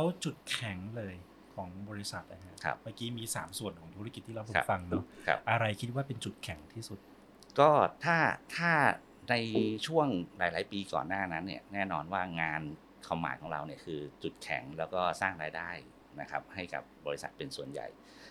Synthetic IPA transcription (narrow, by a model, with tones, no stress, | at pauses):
lɛː˦˥wt͡ɕu˨˩t̪̚kʰɛ˨˩˦ŋlɤː˧j | kʰɔː˩˦ŋbɔː˧ɾi˦˥sa˨˩t̪̚ʔa˧˩ɦʰa˦˥kʰa̰˦˥pmaː˧˩kiː˦˥miː˧saː˩˦msu˨˩ənkʰɔː˩˦ŋt̪ʰu˦˥ɾa˥˩ki˨˩t̪ʰːiː˥ɾa˧wpʰo̰˨˧˦fa˧ŋnɔ˦˥kʰa̰˦˥p̚ʔa˧ɾa˧jkʰi˦˥t̪̚waː˥˩pe˧nt͡ɕu˨˩t̪̚kʰɛ˩˦ŋt̪ʰiː˥˩su˨˩t̪̚ | kɔː˥˩t̪ʰaː˥˩t̪ʰaː˥˩ | na˧jt͡ɕʰu˥˩əŋɾaː˨˩˦jlaː˩˦jpiː˧kɔ̰ː˨˩nːaː˥˩na˦˥nːi˥˩ɐnɛː˥˩nɔː˧nwaː˥˩ŋaː˧n | kʰwa˧mːa̰ː˨˩˦jkʰɔː˩˦ŋɾa̰˧wni˥˩ɐkʰɯː˧t͡ɕu˨˩t̪̚kʰɛ̰˨˩˦ŋlɛː˦˥wkɔː˥˩saː˥˩ŋɾaː˧jdaː˥˩j | na˦˥kʰa̰˦˥p̚ha˥˩jka̰˨˩p̚bɔː˧ɾi˦sa̰˨˩t̪̚pe˧nsu˨˩ənja̰˨˩j